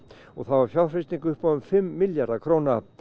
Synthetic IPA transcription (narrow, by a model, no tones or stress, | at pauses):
ɔɣθawvaɾ̥fjaw̪frɪst̪iŋkʏhpaðʏmfɪmːɪljaɾðakʰɾoːwna